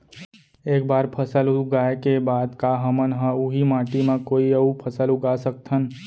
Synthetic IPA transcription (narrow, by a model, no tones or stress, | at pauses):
eːk̚baːɾpʰəsəlʊɡaːekebaːd̪kaɦəmənɦə̃uɦimãːʈimãkoːiəupʰəsəlʊɡasəkt̪ʰən